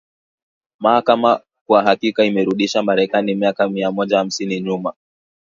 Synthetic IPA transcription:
mahakama | kwaɦakikaimɛɾuɗiʃamaɾɛkanimiakamiamɔʄaham̩siniɲuma

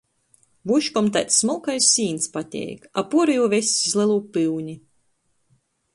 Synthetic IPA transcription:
vuʃkɔmt̪̬ajt̪sːmulˠkajsʲːiːnt̪spat̪ʲɛ̰jkapuɔɾijuːvʲesʲizlˠʲilˠuːpɨwɲʲi

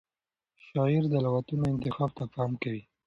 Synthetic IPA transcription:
ʃɑɪɾd̪əlawat̪unoɪnt̪ɪxɑbt̪apɑmkawi

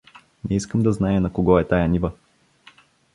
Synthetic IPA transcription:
nɛiskəmd̪ɐznajɛnɐkoɡɔɛt̪ajɐnivə

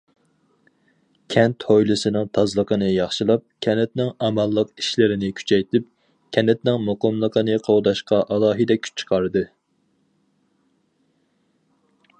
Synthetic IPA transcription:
kʲʰɛnt̪hojlˠɨsɨnɨŋt̪ʰɑzlˠəqənɨjɑχʃɨlˠɑp̚kʲʰɛnɪt̪nɪŋɑmɑlˠːəqiʃlɪɾɪnɪkʲʰy̥t͡ʃʰɛjt̪ʰɪp̚ | kʲʰɛnɪt̪nɪŋmoqəmlˠəqʰənɨqʰowd̪ɑʃqɑʔɑlˠɑːɦɨd̪ɛkʲʰy̥t͡ʃt͡ʃʰːə̥qʰɑɾɨd̪ɨ

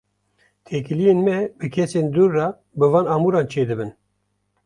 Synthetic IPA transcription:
t̪ʰekɨlijenmɛbɨkʰɛseːnd̪uːɾːɑ | bɨvɑːnɑːmuːɾɑːnt͡ʃʰeːd̪ɨbɨn

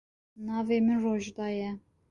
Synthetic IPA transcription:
nɑːveːmɪnroʒd̪ɑːjɛ

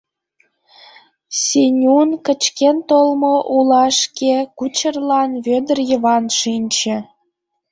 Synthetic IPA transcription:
sʲenʲunkə̆t͡ɕkent̪olmoʔulɑʃkekut͡ɕərlɑnβød̪ərjəβɑnʃinʲt͡ɕĕ

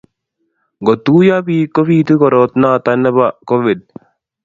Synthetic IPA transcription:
ɡot̪uːjaːbiːkːobiːt̪ukoɾoːt̪naːt̪ɐnːəbakoʋiɖ̚

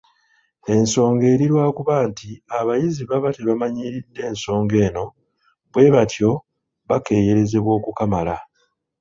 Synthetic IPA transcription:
e̞nso̞ːŋɡe̞ːɾiɾwaːkuβaːntiaβajiziβaβateβamaɲiːɾidːe̞ːnso̞ːŋɡe̞ːno̞ | βwe̞βatʰjo̞ | βake̞ːje̞ɾe̞ze̞βwo̞ːkukamala

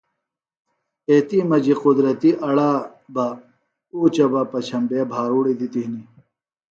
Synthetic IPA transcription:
eːt̪imɐd͡ʑiqud̪ɾɐt̪iʔɐɽaː | ba | uːt͡ɕɐbɐpɐt͡ɕʰɐmbeːbʱaːɾuːɽid̪it̪iɦni

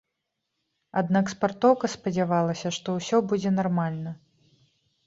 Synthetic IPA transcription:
ad̪nakspart̪ɔwkɐspɐd͡zʲavalˠɐsʲɐʂt̪ɔwsʲɔbud͡zʲɛnarmalʲnɐ

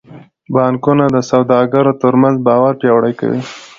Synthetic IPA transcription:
bɑnkunad̪əsawd̪ɑɡaɾot̪əɾmanzbɑwaɾpjɑwɽajka̰wḭ

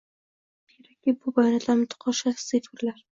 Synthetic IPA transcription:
kʲʰeɾakʲːibʊbajnad̪amʊt̪ʰʊ̥qʰɒʃasɪfɪɾlaɾ

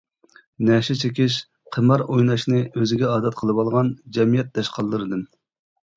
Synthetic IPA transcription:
nɛʃɛt͡ʃʰekʲiʃ | qʰəmɑɾojnɑʃnɨøzɪɡʲɛɑːd̪ɛt̪̚qʰəlˠɨbɑlˠʁɑnd͡ʒɛmijɛt̪̚d̪ɛʃqʰɑlˠːɨɾɨd̪ɨm

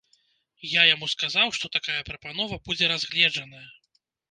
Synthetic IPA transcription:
jajamuskazawʂt̪ɔt̪akajɐpɾɐpanɔvɐbud͡zʲɛɾazɣlʲɛd͡ʐɐnɐjɐ

